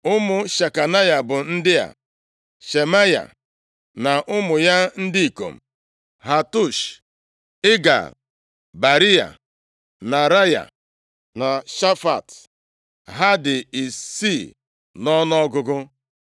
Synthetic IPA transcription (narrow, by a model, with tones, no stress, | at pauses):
ʊ˦mʊ˦ʃa˨ka˨na˦ja˨bʊ˨n̩˦dɪ˦a̰˨ | ʃe˨ma˦ja̰˨ | na˨ʔʊ˦mʊ˨ja˦n̩˦dɪ˦i˨ko̰˨m̩̰˨ | ɦa˨tu˦ʃ | ɪ˦ɡa̰˨ | ba˨ɾi˦a̰˨ | na˨ɾa˦ja̰˨ | na˨ʃa˦fa˨t | ɦa˦dɪ˨i˨si˦˨ | nɔ˦n˦ɔ˦ɡʊ˦ɡʊ˦